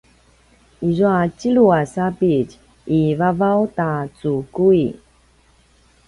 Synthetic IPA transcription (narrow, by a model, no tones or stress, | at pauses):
izuat͡ɕiɭuasapic | ʔivavawtat͡sukui